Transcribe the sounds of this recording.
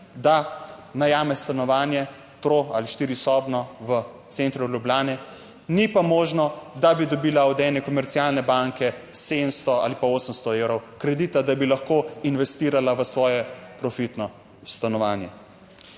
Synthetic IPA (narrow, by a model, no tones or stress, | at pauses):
d̪anajaːmɛst̪anɔʋaːnjɛ | t̪ɾoa̰ːliʃt̪iːɾisɔbnɔʋət̪sent̪ɾuljubljaːnɛ | nipamoːʒnɔd̪abid̪ɔbiːlaɔd̪ɛːnɛkɔmɛɾt̪siaːlnɛbaŋkɛ | sed̪əmst̪ɔa̰ːlipaoːsəmst̪ɔewɾɔwkɾɛd̪iːt̪ad̪abilaxkoinʋɛst̪iːɾalaʋəsʋɔːjɛpɾɔfit̪nɔ | st̪anɔʋaːnjɛ̰